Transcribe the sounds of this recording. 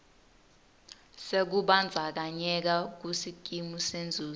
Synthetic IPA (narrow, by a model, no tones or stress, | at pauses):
sek̬uɓand͡zʱak̬aɲɛk̬ak̬usik̬ʼimusend͡zʱuː